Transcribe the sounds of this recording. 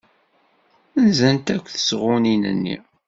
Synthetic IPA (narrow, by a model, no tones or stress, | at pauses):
nzænt̪ækʷːθə̥sʁʊninə̰nːḭ